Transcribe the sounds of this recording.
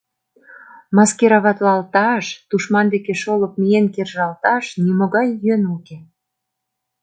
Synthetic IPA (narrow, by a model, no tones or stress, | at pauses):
mɑskeɾɑβɑt̪lɑlt̪ɑʃt̪uʃmɑnd̪ekeʃolɤp̚mijenkerʒɑlt̪ɑʃnimoɣɑjːønulke